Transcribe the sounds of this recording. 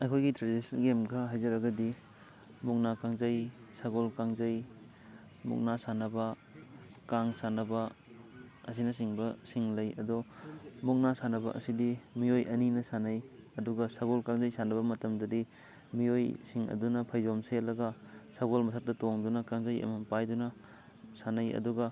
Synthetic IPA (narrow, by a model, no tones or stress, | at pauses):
ɐjkʰojɡitɾadisnɡemɡɐɦajzɐɾɐɡɐdi | muk̚nakaŋzɐjsaɡolkaŋzɐj | mṵk̚nasanɐbɐ | kaŋsanɐbɐ | ɐs̬inɐs̬iŋbɐsiŋlɐjɐdɔmuk̚nasanɐbɐʔɐ̰sidimiojʔɐninɐsanɐj | ɐduɡɐsaɡolkaŋzɐjsanɐbɐmɐtɐmdɐdi | miojsiŋɐ̰dunɐpʰajzomselɐɡɐsaɡolmɐsʰat̚dɐtoŋdunɐkaŋzɐjɐ̰mɐnpajdunɐ | sanɐjɐ̰duɡɐ